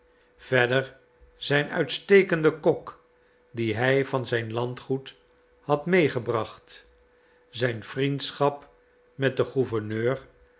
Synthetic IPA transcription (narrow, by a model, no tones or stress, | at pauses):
v̥ɛdəɹ | z̥ɛjnœ̰ɥtstejkəndəkɔk | diɦɛjvɑnzɛjnlɑntχut | hɑtmejχəbrɑχt | zɛjnfrintsχɑp | mɛt̚dəχuvəɹnøːr